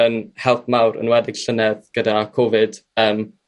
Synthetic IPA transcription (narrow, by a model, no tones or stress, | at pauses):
ənhɛlˠp̚ʰmawɾə̰nwɛdɪɡ̥ɬənɛðɡ̥ədakʰɔvɨd̥əːm